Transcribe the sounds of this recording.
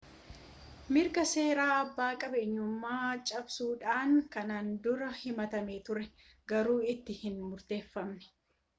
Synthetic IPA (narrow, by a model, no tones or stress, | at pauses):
mɪɾɡɐse̞ːɾaːɐbːaːkʼɐbeːɲːʊmːaːt͡ʃʼɐbsuːᶑaːŋkɐnaːnd̪ʊɾɐhɪmɐt̪ɐmeːt̪ʊɾɛ | ɡɐɾuːɪt̪ːɪhɪnmʊɾt̪e̞ːfːɐmnɛ̥